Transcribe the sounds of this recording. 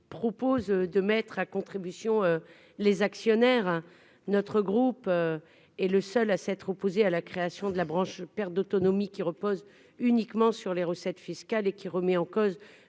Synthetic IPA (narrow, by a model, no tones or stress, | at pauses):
pχɔpozød̪əmɛt̪χakɔ̃t̪χibysjɔ̃ø | lezaksjɔnɛʁ | nɔt̪χəɡʁupø | ɛləsœlasɛt̪χɔpozealakχeasjɔ̃d̪əlabʁɑ̃ʃpɛʁt̪̚d̪ot̪ɔnɔmikʲiʁəpoz | ynikmɑ̃syʁleʁəsɛt̪fiskalekʲiʁəmɛɑ̃koz